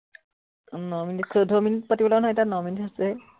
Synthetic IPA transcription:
nɔminitkʰodʱɔminit̚patibɔlanɔjtanɔminitasɛ

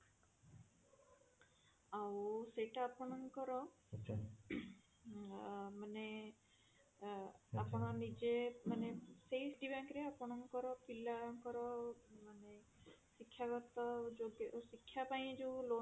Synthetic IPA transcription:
awseʈaːpɔɽ̃ɔŋkɔɾɔ | mane | apɔɽ̃ãnid͡ʒemanesejsʈibãŋkɾeapɔɽ̃ɔŋkɔɾɔpilaŋkɔɾɔmane | sikʰjaɡɔt̪ɔd͡ʒoɡsikʰːjapaĩd͡ʒewlo

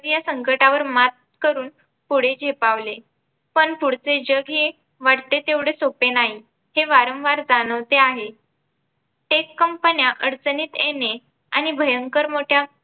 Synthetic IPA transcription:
ɾjasəŋkəʈaʋəɾmat̪̚kəɾuːn | puɽ̤ed͡ʑʱepaʋle | pəɳpuɽt͡sed͡ʑəɡʱe | ʋaɽt̪et̪eʋɽesopenaɦi | heʋaɾəmʋaɾd͡zañəʋt̪eaɦe | ʈekːəmpənjaʔəɽt͡səniːt̪ene | añibʱəjəŋkəɾmoʈʰja

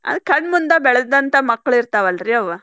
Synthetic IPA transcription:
ɐ̰d̪kɐɳɖmund̪ɐbɛɭɐd̪ɐnt̪ɐmɐkːɭiɾt̪aːʋɐlɾiɐʋɐ

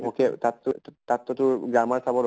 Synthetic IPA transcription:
ɔket̪atːʊtat̪ːɔtʊɡɹamaɹsʰabɔɾ

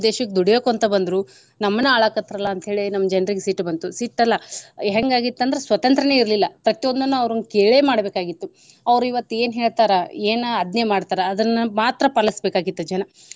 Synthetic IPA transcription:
d̪eːʃɐkːed̪uɽijoːkuɐnt̪ɐbɐnd̪ɾu | nɐmːɐnːɐaːɭɐkɐt̪ːɾɐlːɐːnt̪ɦeːɭinɐmːɐd͡ʒɛnɾiɡesiːʈːbɐnt̪usiːʈːɐlːɐɦɛŋɡaːɡit̪ːɐnd̪ɾesʋɐt̪ɐnt̪ɾɐne̞iɾlilːɐpɾɐt̪ijond̪ɐnːuɐʋɾunkeːɭemaːɽbeːkaːɡit̪ːu | ɐʋɾuiʋɐt̪ːueːnɦe̞ːɭt̪aːɾɐeːnɐd̪nɐjɐmaːɖt̪aːɾɐːd̪ɐnːɐmaːt̪ɾɐpaːlɐsbekaːɡit̪ːud͡ʒɛnɐ

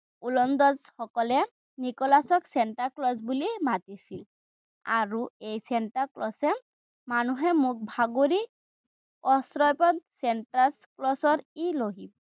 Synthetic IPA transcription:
ulɔnd̪ɔzxɔkɔlɛ | nikɔlasɔksenʈaɹklɔs̬bulimat̪isil | a̰ɹuejsenʈaɹklɔsɛ | manuɦɛmuk̚bʱaɡoɹi | ɔsɹɔjpɔt̪sɛnʈasklɔsɔɹiloɦi

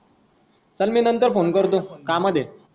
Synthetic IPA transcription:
t͡səlminənt̪əɾfonkəɾt̪õkaməd̪ʱːje

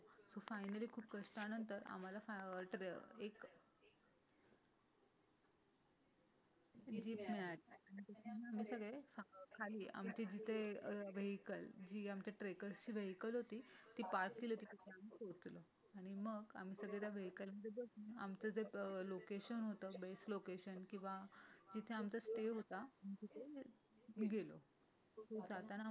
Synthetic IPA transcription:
sofajnəliːkʰuːpkəʂʈanənt̪əɾa̰m̤alafʈek | d͡ʑiːpmiɭaliaɽ̃it̪at͡ɕʰamiam̤iːsəɡɭefakʰaliːʔa̰mt͡ɕiːd͡ʑit̪ʰeʋeɦikəld͡ʑiːamt͡ɕaʈɾekəɾst͡ɕiːʋeɦikəlɦot̪iːt̪iːpaɾkːilət̪it̪it̪ʰeam̤iːkot̪lo | aɽ̃iməɡa̰m̤iːsəɡɭet̪jaʋeɦikəlməd̪ʱebəsuna̰mt͡səd͡zelokeɕənɦot̪əːbeslokeɕənkĩw̃ʋad͡ʑit̪ʰeamt͡səsʈeɦot̪aam̤it̪it̪ʰe | ɡelo̰ | sod͡zat̪ana

